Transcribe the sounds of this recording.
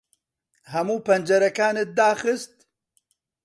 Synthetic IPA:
hɐmuːpɐnd͡ʒɐɾɐkaːnɨt̪̚d̪aːχɨst̪̚

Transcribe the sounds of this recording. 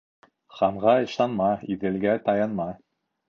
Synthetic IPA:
χɑɴʁɑɤ̆ʃɑnmɑiðɘ̆lɡæt̪ɑjɑnmɑ

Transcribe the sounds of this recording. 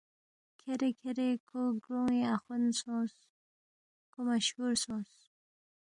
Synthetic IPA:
kʰeɾekʰeɾekʰoɡɾoweaxunsõs | komaʃhuɾsõs

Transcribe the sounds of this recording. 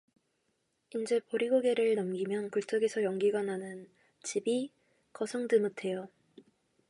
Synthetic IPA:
ind͡ʑe̞poɾiɡoɡe̞ɾɯɭnʌmɡimjʌnkɯɭt͡ɕ͈ʌɡe̞sʰʌjʌŋɡiɡananɯn | t͡ɕibi | kʌsʰoŋdɯmɯtʰe̞jo

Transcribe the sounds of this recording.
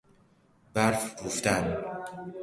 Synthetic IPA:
bæɾfɡuft̪æn

